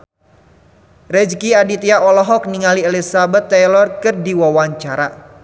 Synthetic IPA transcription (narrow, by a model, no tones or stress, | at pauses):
rɛd͡ʒkiadit̪iaʔɔlɔɦɔk̚niŋalielisabɛt̪ːɛlɔrkɨrdiwawaɲt͡ʃaɾa